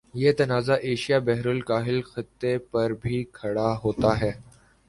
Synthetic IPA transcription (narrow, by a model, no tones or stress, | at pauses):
jeːt̪ɐnaːzaʔeːʃijaːbɛɦɾʊlkaːɦɪlxɪt̪ːepɐɾbʱiːkʰɐɽaːɦoːt̪aɦɛː